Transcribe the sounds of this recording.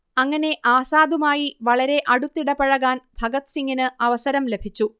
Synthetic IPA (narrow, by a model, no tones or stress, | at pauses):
ɐŋːɐne̞ʔaːsaːd̪umaːjiʋɐɭɐɾe̞ʔɐɽut̪ːiɽɐpɐɻɐɣaːnbʱɐɡɐt̪siŋɡinɨɐʋɐsɐɾɐmle̞bʱit͡ɕːu